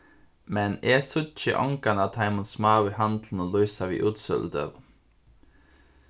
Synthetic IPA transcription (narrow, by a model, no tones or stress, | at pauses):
mɛneːsʊt̪t͡ʃə̰ʔɔŋkanɑt̪ʰɑɪmənsmɑːʋihɑnd̪ln̩oːlɔʏsaʋḭːʔʉːt̪sœ̰ld̪ə̰ʁ